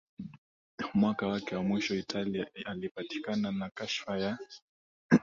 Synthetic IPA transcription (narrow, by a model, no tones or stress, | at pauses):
mwakawakɛwamwiʃɔitʰaliaalipati̥kananakaʃfaja